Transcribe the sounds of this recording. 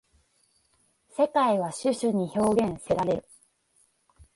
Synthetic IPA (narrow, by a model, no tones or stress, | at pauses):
se̞kaiβ̞aɕɨɕɨɲ̟iço̞ːɡẽ̞ɰ̃seɾaɾe̞ɾɯ̟